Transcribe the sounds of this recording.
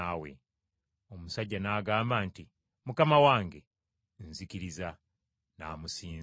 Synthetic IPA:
awḛ | o̞musaɟːanaːɡaːmbaːnti | mukamawaːŋɡe̞ | n̩zikiɾiza | naːmusiː

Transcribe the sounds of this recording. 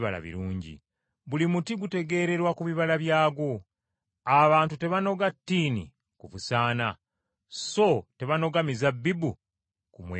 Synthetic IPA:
βala̰βḭɾuːɲɟḭ | βulimutiɡute̞ɡe̞ːɾe̞ɾwakuβiβalaβjaːɡo̞ | aβaːntute̞βano̞ɡatːiːnḭ | kuβusaːna | so̞te̞βano̞ɡamizabːibu | kumwe

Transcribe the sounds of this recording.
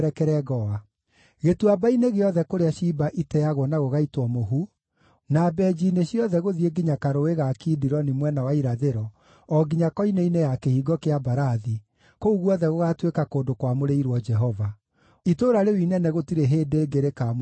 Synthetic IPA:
ɾɛkɛɾɛɣɔa | ɣetuabaineɣeɔðɛkoɾeaʃibaʔitɛjaɣwɔnaɣoɣaitwɔmoɦu | nabɛd͡ʑineɕjɔðɛɣoðieɡiɲakaɾoeɣakidiɾɔnimwɛnawaiɾaðeɾɔ | ɔɡiɲakɔineinejakehiːɡɔkeabaɾaði | kouɣwɔðɛɣoɣatwekakoːdokwamoɾeiɾwɔd͡ʒɛɦɔva | itoːɾaɾewinɛnɛɣotiɾeɦeːdeːɡeɾekam

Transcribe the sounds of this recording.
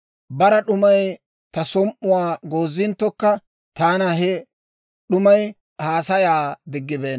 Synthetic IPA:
bɐɾɐɗʊmɐj | t̪ɐsɔmʔʊwaːɡoːzːɪnt̪ːɔkːɐ | t̪aːnɐɦɛ | ɗʊmɐj | haːsɐjaːd̪ɪɡːɪbeːn

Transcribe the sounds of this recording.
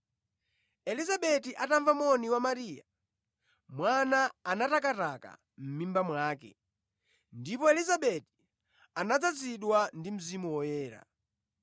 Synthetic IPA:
ɛlizaɓɛtiʔataɱvamɔniwamaɾiːja | mwanaːnatakataka̰ | m̩mimbamwaːkɛ̰ | ndipɔɛlizaɓɛti̥ | anad͡zad͡ziɗwandim̩zimuwɔjɛːɾa̰

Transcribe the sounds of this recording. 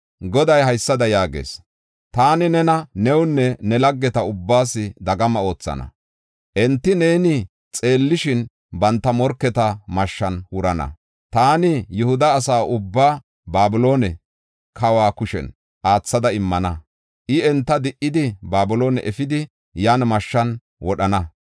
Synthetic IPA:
ɡɔd̪ɐjhɐjsːɐd̪ɐjaːɡḛːs | t̪aːnɪnɛnɐnɛwʊnːɛnɛlɐɡːɛt̪ɐʊbːaːsːɪd̪ɐɡɐmɐo̞ːt͡sːɐ̰nɐ̰ | ʔɛnt̪ːɪneːnɪ | t͡sʼe̞ːlːɪʃɪn | bɐnt̪ːɐmɔɾkːɛt̪ɐmɐʃːɐnwʊɾɐnɐ̰ | t̪aːnɪjʊhʊd̪ɐːsaːʔʊbːaː | baːbɪlo̞ːnɛ | kʰɐwaːkʊʃɛ̰n | ʔaːt͡sːɐd̪ɐɪmːɐnɐ | ʔɪɛnt̪ːɐd̪ɪʔɪd̪ɪbaːbʊlo̞ːnɛʔɛfɪd̪ɪ | jaːnmɐʃːɐn | wɔɗɐnɐ

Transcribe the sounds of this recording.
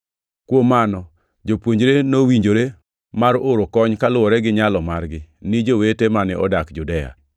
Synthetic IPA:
kwomːanɔ | d͡ʒopwoɲd͡ʒɾenowiɲd͡ʒoɾe | maɾoɾokɔɲkalʊwɔɾɛɡɪɲalɔmarɡɪnɪd͡ʒowetemanɪɔ̰dakd͡ʒudɛja̰

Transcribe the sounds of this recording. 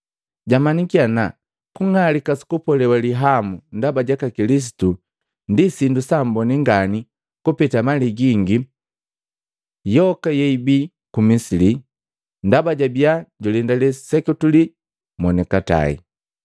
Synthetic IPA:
ɟamanikiana | kuŋalikasi̥kupɔlɛwaliɦamundabaɟakakilis̬i̥tu | ndisindusambɔniŋɡani | kupɛtamaliɡiŋɡi | jɔkajɛibi | kumisili | ndabaɟabiaɟulindalɛsɛkutuli | mɔnɛkata̰ḭ

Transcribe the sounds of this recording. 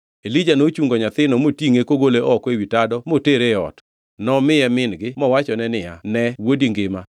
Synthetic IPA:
elid͡ʒanot͡ʃuŋɡɔɲat̪ɪnɔmotiŋekoɡoleʔɔkewitadɔmoteɾeɔ̰t | nɔmɪjɛmɪnɡɪmɔwat͡ʃɔnɛnɪja̰nɛwodiŋɡɪma

